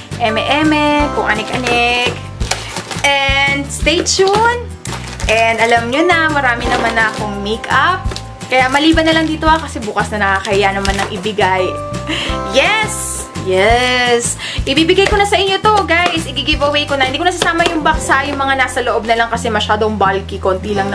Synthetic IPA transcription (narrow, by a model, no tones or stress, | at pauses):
ʔɛmɛʔɛmɛkʊŋʔɐnɪkʔɐnɛk | ʔɛnd̪st̪ejt͡ʃun | ʔɛnd̪ɐlamɲonɐmɐɾaːmɪnɐmanːɐɐkoŋmekap̚ | kɐjamɐliːbɐnɐlɐŋd̪iːt̪oakɐsɛbuːkɐsnɐnɐkakɐʔɪjanɐmanːɐŋʔɪbɪɡaj | jɛs | jɛs | ʔɪbibɪɡajkonɐsɐʔɪɲːot̪o̞ɡajsʔɪɡiɡɪvɐwejkonɐhɪnd̪ikonɐs̬ɐsaːmɐjʊŋbɐksajʊŋmɐŋanaːsɐloʔo̞b̚nɐlɐŋkɐsɛmɐʃaːd̪oŋbalkikont̪ilɐŋn